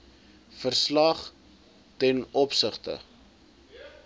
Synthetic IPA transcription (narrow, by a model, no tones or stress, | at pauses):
fərslɐχ | tɛnɔpsəχtə̰